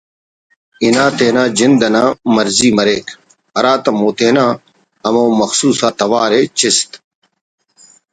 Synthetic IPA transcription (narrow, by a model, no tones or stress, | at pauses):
ɪnãːt̪eːnãːd͡ʑɪnd̪ɐnãːmɐɾziːmɐɾeːk | ɐɾaːt̪ɐmoːt̪eːnãː | ɐmõːmɐxsuːsaːt̪ɐʋaːɾeːt͡ʃɪst̪